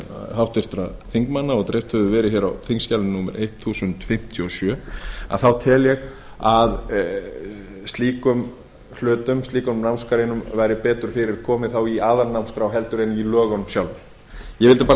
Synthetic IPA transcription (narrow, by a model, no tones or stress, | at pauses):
hawht̪vɪɾ̥t̪ɾaθiŋkmanːaɔɣt̪ɾejft̪hɛvðʏvɛːɾɪçjɛːɾa̰wθiŋscalɪnuːmɛ̰ɾʔejt̪θuːsʏnt̪fɪm̥t̪ʰjʏɔsjœːa̰ðθawt̪ʰɪːljɛɣ | að | st̪liːkʏm | l̥ʏːt̪ʏmst̪liːkʏnmnawmskaɾejnʏmvajɾɪpɛːt̪ʏɾ̥fɪɾɪɾkʰɔːmɪθawiaːðannawmskɾawɦɛlt̪ʏɾejnmilœːɣɔnʏmsjawlʏm | jɛvɪlt̪ɪ̥paː